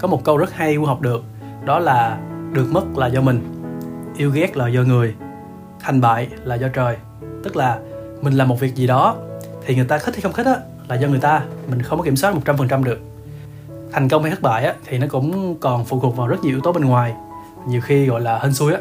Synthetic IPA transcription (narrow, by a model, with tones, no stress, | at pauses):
kɔ˨˦mo˨˩t̚kə˧wzə˦˥t̚ha˧jʔu˧ɦa˨˩wk͡p̚ɗɨ˨˩ək̚ | ɗɔ˨˦laː˨˩ɗɨ˨˩ək̚mə˦˥t̚laː˨˩zɔ˧mï˨˩ŋ̟ʔi˧əwɣɛ˦˥k̚laː˨˩zɔ˧ŋɨ˨˩əj | t̪ʰɛ˨˩ŋ̟ɓa̰ː˧˨jlaː˨˩zɔ˧t͡ɕəː˨˩j | t̪ɨ˦˥k̚laː˨˩ | mï̟˨˩laː˨˩mo˨˩t̚vi˨˩ək̚zi˨˩ɗɔ˨˦ | t̪ʰi˨˩ŋɨ˨˩əjt̪aː˧xi˦˥t̪ʰːxə˧ŋ͡mxi˦˥t̚ʔaː˨˦ | laː˨˩zɔ˧ŋ˨˩əjt̪aː˧mï˨˩ŋ̟xə˧wŋ͡mkɔ˦i˧˩əswa˦˥mo˨˩t̚t͡ɕa˧mfə˨˩nt͡ɕa˧mɗɨ˨˩ək̚ | t̪ʰa˨˩jŋ̟kə˧wŋ͡mha˨˩ə˦˥t̚ɓa̰ː˧˨jʔaː˨˦t̪ʰi˨˩nɔ˨˦kʊ̰˧˥ŋ͡mkɔ˨˩nfṵ˧˩t̪u˨˩k̚vaː˨˩zə˦˥t̚ɲ˨˩i˧˥wt̪o˨˦ɓe˧nŋwaː˨˩j | ɲi˨˩əwxi˧ɣɔ̰˧˨jlaː˨˩hə˧nsu˧əjʔaː˨˦